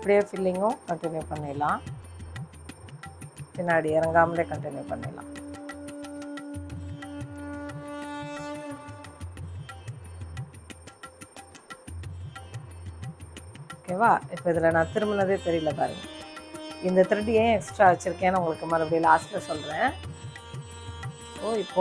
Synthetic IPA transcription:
ɪpːɐɽijeːfɪlːɪŋɡʊ̃kɐɳʈɪnjuːpɐɳːeːlːãː | pɪnːaːɽiɛɾɐŋɡaːmɪleːkɐɳʈɪnjupɐ̰ɳːḛːlːã̰ː | oːkːeːʋaːɪpːoːɪðɐlɐnãːt̪ɪɾɯmɐnɐðeːt̪ɛɾɪjɪlːɐpaːɾɯ̰ŋɡɐ | ɪnd̪ɐt̪ɪɾɯʈːiẽːɛksʈɾaːʋɛt͡ʃːɪɾɯkːẽːnaʊŋɡɐɭɯkːɯmɐɾɪpːɐɽɪjlaːslɐsɔlɾẽː | oːɪpːoː

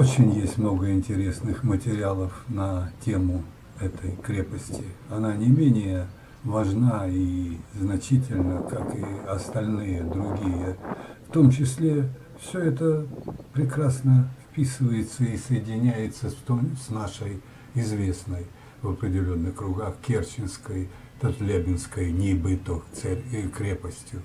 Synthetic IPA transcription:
ot͡ɕɪnʲjesʲtʲmno̞ɡəɪnʲtʲɪɾʲe̞snɨxmətʲɪɾʲɪalˠəfnɐtʲemʊ | ɛt̪ʰəjkɾʲe̞pəsʲtʲɪɐnanʲɪmʲenʲɪjə | vɐʐnaiznɐt͡ɕitʲɪlʲnəkakɪɐst̪ɐlʲnɨjəd̪ɾʊɡʲijəft̪o̞mt͡ɕɪsʲlʲe | fsʲɵɛt̪əpɾʲɪkɾasnəfpʲisɨvəjɪt̪səɪsəjɪdʲɪnʲæjɪt̪sət̪osnaʂəj | ɪzvʲe̞snəj | vəpɾʲɪdʲɪlʲo̞nːɨxkɾʊɡaxkʲert͡ɕɪnskəj | t̪ət̪lʲebʲɪnskəjnʲɪbɨt̪okt̪sɛkɾʲepəsʲtʲjʊ

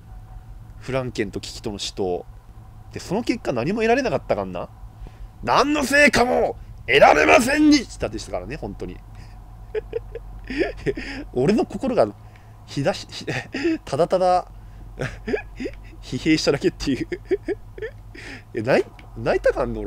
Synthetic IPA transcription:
ɸɯ̟ɾãŋkẽ̞nt̪o̞kʲi̥kʲi̥t̪o̞no̞ɕi̥t̪o̞ | t̪e̞so̞no̞ke̞kːanaɲ̟imo̞e̞ɾaɾe̞nakat̪ːakãnːa̰ | nãnːo̞se̞ːkamo̞e̞ɾaɾe̞̰masẽ̞ɲːikʲi̥t̪ad̪e̞ɕit̪ḁkaɾanehõ̞nt̪o̞ɲ̟ḭ | o̞ɾe̞no̞ko̞ko̞ɾo̞ɡa | çid̪açit̪ʰad̪at̪ad̪a | çihe̞ːɕi̥t̪ad̪ake̞t̪ːejɯ | anai | nait̪akãnːooɾe

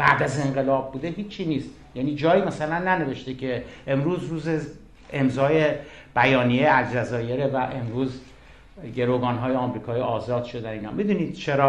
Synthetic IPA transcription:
b̥æ̰ʔd̪æze̞ɴɢe̞lɒːb̚ːuːd̪e̞ɦiːt͡ʃʰːiːniːst̪ | jæːniːd͡ʒɒːiːmæsælænːæne̞ve̞ʃt̪ecʰe̞emɾuːzruːze | emzɒːje | b̥æjɒːnijeæld͡ʒæzɒːje̞ɾevæʔe̞mɾuːz | ɟe̞ɾoɡɒːnɦɒːjeɒmɾiːkʰɒːjiɒːzɒːd̪̥ʃod̪æniːnɒ̰ːmid̪uːniːd̪̥̚t͡ʃʰeɾɒː

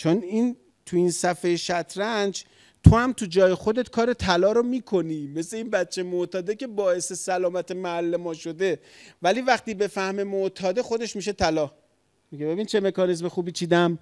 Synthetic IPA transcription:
t͡ʃʰonin | t̪ʰuinsæfejeʃæt̪ʰɾænd͡ʒ | t̪ʰo̞hæmt̪ʰud͡ʒɒːjexo̞d̪e̞t̪kʰɒːɾe̞t̪ʰælɒːɾomiːkʰo̞niːme̞sle̞inbæt̪̚t͡ʃʰːejmot̪ʰɒːd̪ece̞bɒːe̞se̞sælɒːmæt̪ʰe̞mæælːemɒːʃo̞d̪e̞ | væliːvæxt̪iːbe̞fæhmemoʔt̪ʰɒːd̪e̞xo̞d̪e̞ʃmiːʃe̞t̪ʰælɒː | miɟebe̞bint͡ʃʰe̞me̞kɒːnizmexuːbiːt͡ʃʰiːd̪æm

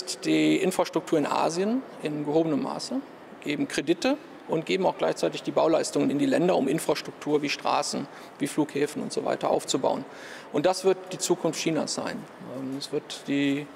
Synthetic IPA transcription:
std̥iːʔɪnfʁ̥aʃtʁ̥ʊktʰuːɐɪnʔa̰ːzjənʔɪnɡəhoːbənəmːa̰ːsə | ɡ̥eːbm̩kʁ̥edɪtə | ʔʊntɡ̥eːbm̩aʊxɡ̥laɪçt͡saɪtɪçd̥iːbaʊlaɪstʊŋənɪndiːlɛndɐʊmʔɪnfʁ̥aʃtʁ̥ʊk̚tʰuːɐviːʃtʁ̥a̰ːsn̩ | viːfluːkhɛːfn̩ʊ̰ntz̥o̰va̰ɪtɐʔa̰ʊft͡suba̰ʊən | ʔʊntd̥asv̥ɪɐt̚d̥iːt͡suːkʰʊnftçiːna̰sz̥a̰ɪn | ʔɛmɛsv̥ɪɐtd̥iː

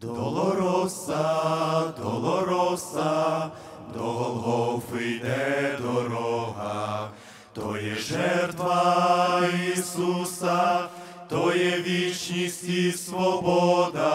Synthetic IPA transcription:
d̪ɔlˠɔɾɔsɐd̪ɔlˠɔɾɔsɐ | d̪ɔlˠɦɔʋɪjnɛd̪ɔɾɔɦɐ | t̪ɔjɛʒɛrt̪ʋɐ | isusɐ | t̪ɔjɛʋʲit͡ʃnʲisʲtʲisʋɔbɔd̪ɐ

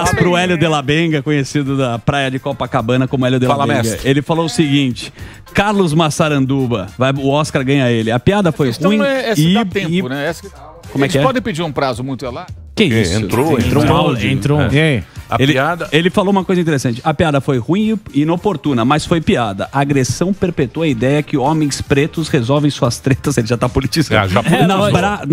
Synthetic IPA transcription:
aspɾʊɛljʊd̪elabẽɡɐkõɲesid̪ʊd̪ɐpɾajɐd͡ʒɪkɔpɐkabɐ̃nɐkõmʊɛljʊd̪elalaem̃ɛɡɐelɪfalowʊsɪɡĩnt͡ʃɪ̥ | kaɾlʊzmasaɾɐ̃nd̪ubɐvajʊɔskaɾɡɐ̃ɲɐelɪɐpiad̪ɐfojũĩɛɛsɪaẽʊnɛɛs | kõmɛksɛpɔd̪ẽj̃ped͡ʒiɾũpɾazʊmũj̃t̪ʊɛla | kɛisḛ̃ʊt̪ɾoẽt̪ɾõawd͡ʒẽt̪ɾoɛɐ̰eliad̪ɐelɪfalowumɐkojzɐĩt̪eɾesɐ̃t͡ʃɪɐpiad̪ɐfojhũĩiinopoɾt̪ũnɐmɐsfojpiad̪ɐ̰ʔɐːɡɾesɐ̃w̃peɾpet̪uoɐid̪ɛjɐkɪɔmẽj̃spɾet̪ʊshezɔwvẽj̃suɐst̪ɾet̪ɐselɪʒat̪apolit͡ʃizɐ̰̃aʒanabɾa

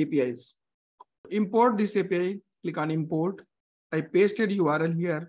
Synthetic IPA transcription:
eːpiaɪs | ʔɪ̃mpoːɾʈ̚d̪ɪseːpiaɪklɪkɔ̃ːnɪ̃mpoːɾʈ | aɪpeːsʈeɖjuʋaːɾəlɦiəɾ

